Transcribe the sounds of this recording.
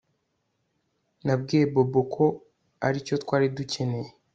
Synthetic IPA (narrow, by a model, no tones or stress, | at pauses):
nab̚ɡijebobokʰo̞ | aɾico̞twaːɾiduce̞ne̞je